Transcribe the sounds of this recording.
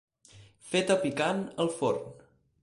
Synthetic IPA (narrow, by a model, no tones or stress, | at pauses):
fet̪əpikanəlˠfo̰rn